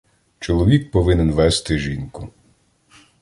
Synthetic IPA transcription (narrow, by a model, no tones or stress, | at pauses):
t͡ʃɔlˠɔʋʲik̚pɔʋɪnɪnʋɛst̪ɪʒinkʊ